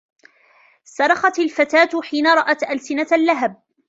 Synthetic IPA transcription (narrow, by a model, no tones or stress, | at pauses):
sɑɾˤɑxɑt̪alfat̪aːt̪ħiːnaɾˤɑʔat̪ʔalsɪnalːaɦab̚